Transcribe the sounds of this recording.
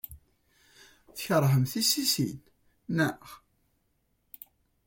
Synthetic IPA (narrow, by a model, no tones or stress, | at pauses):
θçəɾˤɦəmθisisḭn | nə